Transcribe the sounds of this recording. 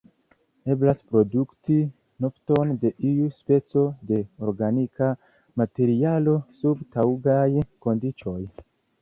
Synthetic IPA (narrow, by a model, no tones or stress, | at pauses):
e̞blaspɾo̞dukti | nofto̞nde̞ʔiuspe̞t͡so̞de̞o̞ɾɡanika | mate̞ɾialo̞subtawɡajko̞ndit͡ʃo̞j